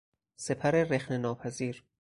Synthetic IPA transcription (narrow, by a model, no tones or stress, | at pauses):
se̞pʰæɾe̞rexnenɒːpʰæziːɾ